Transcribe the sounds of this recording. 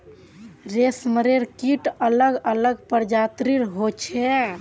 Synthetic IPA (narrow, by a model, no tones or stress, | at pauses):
ɾesməɾeɾkiʈələɡələɡpəɾd͡ʒat̪ɾiɾɦot͡ʃʰɛ